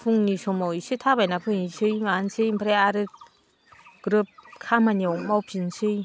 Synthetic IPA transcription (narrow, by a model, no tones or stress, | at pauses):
pʰuŋnisɔmawisɯtʰabajnapʰɯŋisɯjmansɯjmpʰɾeaɾɯt̚ | ɡ̥ɾɯp̚kʰamanemawpʰinsɯj